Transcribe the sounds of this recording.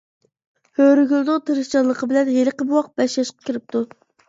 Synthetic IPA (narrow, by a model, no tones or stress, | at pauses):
høɾyɡʲylˠd̪ʊt̪ʰɨɾɨʃt͡ʃɑlˠːəqəbɪlɛnʁeɾəqəbuwɑq̚bɛʃlɑʃqɑ̥kʲiɾɪp̚t̪ʰu